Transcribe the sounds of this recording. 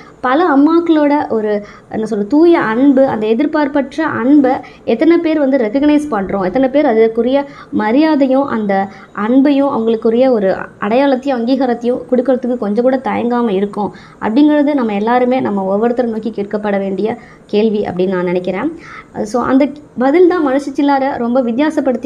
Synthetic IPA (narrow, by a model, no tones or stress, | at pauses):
pɐlɐɐmːaːkːɐɭoːɽɐʔɔɾɯ | ɛ̰nːɐsɔlːɐt̪uːjɐʔɐɳbɯɐ̰nd̪ɐɛðɪɾpaːɾpɐʈrɐʔɐɳbɐ | ɛt̪ːɐnɛpeːɾʋɐnd̪ɯɾɛkɐɡnɐɪspɐɳːɾõːɛt̪ːɐnɛpeːɾɐðɪkːʊɾɐjɐ | mɐɾɪjaːðɐjʊ̃ʔɐ̰nd̪ɐ | ʔɐɳbɐjʊ̃ɐ̰ʋɐŋɡɐɭɯkːɯɾɐjɐɔɾɯʔɐɽɐjaːɭɐt̪ːɐjʊ̃ɐŋɡiːɣɐɾɐt̪ːɐjʊ̃kʊɽʊkːɐɭɐt̪ːɯkːɯkːɔɲd͡ʒɐ̃ŋkuːɽɐt̪ɐjɐŋɡaːmɐɪɾɯkːʊ̃ | ʔɐ̰pːɐɽɪŋɡɐɻɐðɯnɐmːɐɛlːaːɾɯmeːnɐmːɐɔʋɐɾɯt̪ːɐɾɐnoːkikiːʈ̚kɐpːɐɽɐʋeːɳɖɪjɐ | keːɭʋiʔɐ̰pːɐɽɪnːnãːnɪnɛkʲːɪɾẽːsoːʔɐ̰nd̪ɐbɐðɪlt̪ãːmɐnɐʂɐt͡ʃːɪlːaːɾɐɾɔmbɐʋɪd̪jaːsɐpːɐɽɯt̪ː